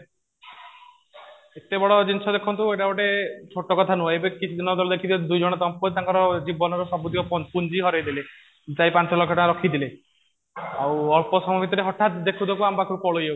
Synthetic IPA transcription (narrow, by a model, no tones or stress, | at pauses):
et̪ebɔɽɔd͡ʒinsʰɔd̪ekʰɔnt̪ueʈabɔʈet͡ʃʰoʈɔkɔt̪ʰanuebekit͡ʃʰid̪inɔd̪ɔlɔd̪ekʰit̪ʰiled̪ujd͡ʒɔɽ̃ɔt̪ɔmpɔɾit̪aŋkɔɾɔd͡ʒibɔnɔɾɔsɔbud̪ʱikɔpɔnpund͡ʒiɦɔɾajd̪ile | t͡ʃajpant͡ʃɔlɔɡʰʱɔʈaaɾɔkʰid̪ile | awɔɭpɔsɔmɔbit̪ɔɾeɦɔʈːat̪d̪ekʰud̪ɔkuambakʰɔɾupɔɭojew